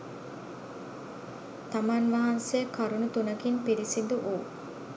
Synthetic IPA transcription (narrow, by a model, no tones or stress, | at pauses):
t̪amanʋɐɦansejəkaɾunut̪unəkinpiɾisind̪uʔuː